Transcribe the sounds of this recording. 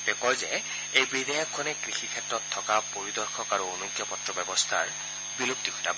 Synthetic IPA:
tɛkɔjzɛ̰ | ejbid̪ajakʰːɔnɛkɹixikʰɛtɹɔtʰːɔkapoɹid̪ɔɹxʰɔkaɹuonukjɔpɔtɹɔbɛbɔst̪ʰaɹ | bilupt̪iɦɔta

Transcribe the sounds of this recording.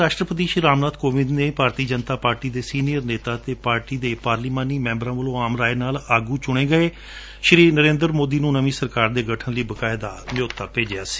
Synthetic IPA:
aːʃʈɾəpət̪iːʃɾaːmnaːd̪koːʋɪd̪neːpaːɾt̪iːd͡ʒənt̪aːpaːɾʈiːd̪eːsiːnijəɾneːt̪aːt̪eːpaːɾʈiːd̪eːpaːɾliːmãːniːmɛ̃ːmbɾãːʋəlõːaːmɾaːenaːlaːɡũːt͡ʃʊɽ̃ẽːɡəeː | ʃɾiːnəɾẽːnd̪əɾmoːd̪iːnũːnəmĩːsəɾkaːɾd̪eːɡəʈʰənləiːbəkaːɪd̪aːnɪjoːt̪ːaːpeːd͡ʒɪjaːsi̥ː

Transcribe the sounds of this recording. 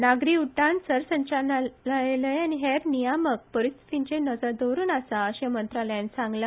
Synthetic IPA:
naɡɾiuʈːãnsəɾsəɲt͡ɕanaaləjaniɦeɾnijamək̚pəɾist̪ʰi̥t̪iɲt͡ɕenəd͡zad̪oɾuːnasaəɕemənt̪ɾaljãnsãŋɡla

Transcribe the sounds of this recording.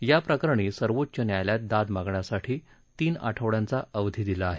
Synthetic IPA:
japɾəkəɾəɳ̃iːsəɾʋot̪ːt͡ɕənjajljat̪̚d̪ad̪maɡɳjasaʈʰiː | t̪iːna̰ʈʰəʋɽjãnt͡saʔəʋd̪ʱid̪ilaːɦe

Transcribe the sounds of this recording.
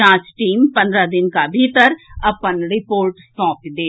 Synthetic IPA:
ãːt͡ʃʈiːmpɐ̃nd̪ɾad̪ɪnkabʱit̪əɾɐpənɾɪpoːɾʈsɔ̃ːkd̪eː

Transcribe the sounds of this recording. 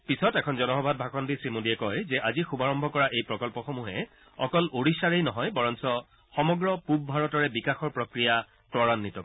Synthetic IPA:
pisɔtɛkʰɔnzɔnɔɦɔbʱad̚bʱakʰɔndisɹimodiɛkɔjzɛʔazixubaɹɔmbʱɔkɔɹaʔejpɹɔkɔlpɔxɔmuɦɛ | ɔkɔloɹisaɹejnɔɦɔjbɔɹɔnsɔ | xɔmɔɡɹɔpub̚bʱaɹɔtɔɹɛbikaxɔɹpɹokɹija | tɔɹanːitɔk

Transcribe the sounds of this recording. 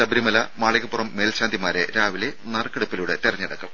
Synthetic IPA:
sɐbɐɾimɐlɐmaːɭɐɣɐpːurɐmːe̞ːlɕaːnd̪ʱimaːɾḛɾaːʋile̞nɐrɐkːeɽupːiluːɽɨt̪irɐɲːɐɽɐkːɐm

